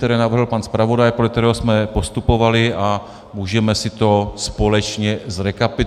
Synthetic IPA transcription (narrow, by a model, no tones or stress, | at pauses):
t̪ɛɾɛːnavr̩ɦl̩panspɾavo̞dajpɾodlɛkt̪ɛɾɛːɦosmɛpost̪upo̞valɪʔa | muːʒɛmɛsɪt̪o̞spo̞lɛt͡ʃɲɛzɾɛkapɪ